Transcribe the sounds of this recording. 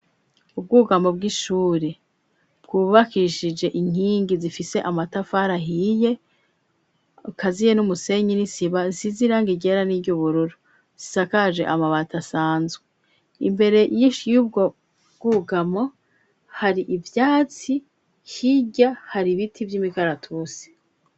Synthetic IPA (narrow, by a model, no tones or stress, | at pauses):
ub̚ɡuːɡamo̞b̚ɡiʃuːɾe | b̥ɡuːβakiʃid͡ʒe̞ʔiŋ̥hiːŋɡizifise̞ʔamatafaɾaɦije̞ | ukʰazije̞numuse̞ɲinisiβaziziɾaːŋɡiɟe̞ɾaniːɟuβuɾuɾu | z̥isakaʒe̞̰ʔamaβatasaːnzɡe | ḭmbe̞ɾe̞jiʃjub̚ɡo̞ | ɡ̥uɡamo̞ | haɾiʔivjaːt͡si | hiɟahaɾiβitʰivjiːmikaɾatʰusi̥